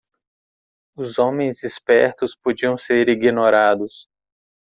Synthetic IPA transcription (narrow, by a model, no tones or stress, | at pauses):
ʊzõmẽj̃zispɛɾt̪ʊspod͡ʒiɐ̃w̃seɾiɡinoɾad̪ʊs